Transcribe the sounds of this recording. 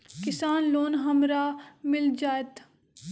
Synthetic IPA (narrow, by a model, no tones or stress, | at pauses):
kɪsaːnloːnɦɐmɾaːmɪld͡ʒaːet̪